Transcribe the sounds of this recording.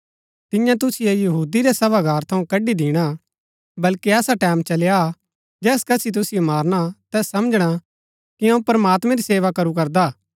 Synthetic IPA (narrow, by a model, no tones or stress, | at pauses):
t̪ɪ̃jãt̪̬ʊsɪjejɐɦuːd̪iɾesɐbaɡʱaːɾt̪ʰɐ̃ũkɐɖid̪iːɽ̃a | bɐlkiɛːsaʈɛːmt͡ʃɐlja | d͡ʒɛːskɐsʰit̪̬ʊsijomaːɾɽ̃at̪ɛːsːɐməd͡ʒɽ̃a | kiɐ̃ũpɾɐmaːt̪mɛ̃ɾiseːʋakɐɾukɐɾd̪aː